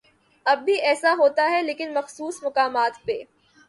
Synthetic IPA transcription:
ɐb̚ːʱiɛːsaɦoːt̪aɦɛleːkɪnmɐxsuːsmʊkaːmaːt̪pe

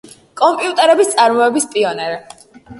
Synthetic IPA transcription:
kʼɔmpʼiut̪ʼɛɾɛbist̪sʼaɾmɔɛbispʼiɔnɛɾɛ

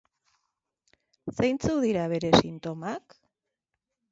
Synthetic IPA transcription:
sajnt͡suðiɾaβ̞e̞ɾe̞sint̪o̞mak

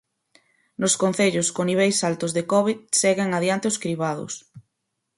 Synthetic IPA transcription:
nʊskon̟θeʎʊskoniβ̞ɛjsalt̪ʊzðekɔβiðsɛɣɪŋaðjant̪eoskɾiβaðʊ̰s

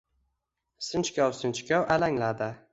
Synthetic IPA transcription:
sɨnt͡ʃkʲawsɪnt͡ʃkʲawʔalaŋlad̪ɪ

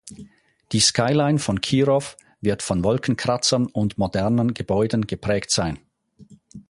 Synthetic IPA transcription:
d̥iːskaɪlaɪnfɔnkʰiːʁɔf | vɪɐtfɔnvɔlkʰən̩kʰʁ̥at͡sɐnʊndmodɛɐnənɡəbɔʏdən̩ɡəpʁ̥ɛːktz̥aɪn

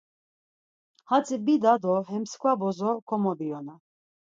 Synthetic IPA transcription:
hat͡sʼibid̪ad̪ɔɦɛmskʰwabɔzɔkʰɔmɔbiɔna

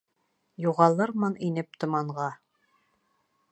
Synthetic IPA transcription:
juʁɑlˠɤɾmɤninɘp̚t̪ŏmɑɴʁɑ

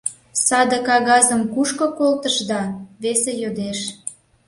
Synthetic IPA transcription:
sɑd̪əkɑɣɑzəmkuʃkokolt̪əʒd̪ɑβesejod̪eʃ

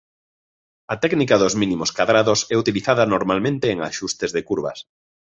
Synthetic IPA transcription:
at̪ɛknikaðozmĩnimoskaðɾaðosɛut̪iliθaðanoɾmalmẽnt̪eːŋa̰ʃust̪ezðekuɾβɐ̰s

